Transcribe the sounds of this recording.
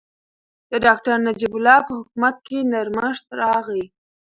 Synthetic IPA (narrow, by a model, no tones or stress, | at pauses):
d̪̥əɖɑkʈaɾnad͡ʒibʊlɑpəhʊkumat̪̚kenaɾməʃt̪ɾɑɣi